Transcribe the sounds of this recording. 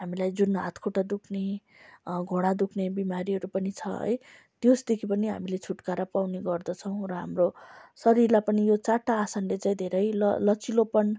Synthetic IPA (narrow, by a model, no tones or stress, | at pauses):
ɦamilajd͡zunɦa̰t̪ʰkʰoʈad̪ukʰne | ɡʱoɽ̃ad̪ukʰnebimaɾiɦʌɾupʌnit͡sʰʌ̰ɦʌ̰j | t̪josd̪ekʰipʌniɦa̰milet͡sʰuʈkaɾapawneɡʌrd̪ʌt͡sʰʌw̃ɾoɦa̰mrosʌɾirlapʌnijot͡saʈːaːsanlet͡saĩd̪ʱeɾʌjlʌ̰lʌt͡silopʌn